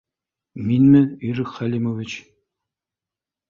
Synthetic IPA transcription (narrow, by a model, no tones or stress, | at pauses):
minmɘɵɾɘkχælʲimovʲit͡ɕ